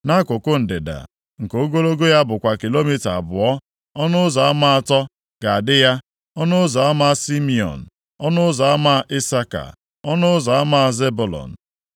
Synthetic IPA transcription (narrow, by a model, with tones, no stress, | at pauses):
na˦kʷʊ˨kʊ˦n̩˨dɪ˨da̰˨ | ŋ̩˨ko˦ɡo˦lo˦ɡo˦ja˦bʊ˨kʷa˨ki˨lo˦mi˦ta˨a˨bʊ˨ɔ˦ | ɔ˦nʊ˦ʊ˦zɔ˨a˦ma˦a˨tɔ˦ | ɡ̥a˨a˨dɪ˦ja˦ | ɔ˦nʊ˦zɔ˨a˦ma˦si˦mi˦ɔ̰˨n̩˨ | ɔ˦nʊ˦zɔ˨a˦ma˦ʔɪ˦sa˦ka̰˨ | ɔ˦nʊ˦ʊ˦zɔ˨a˦ma˦ze˦bu˨lɔ̰˨n̩˨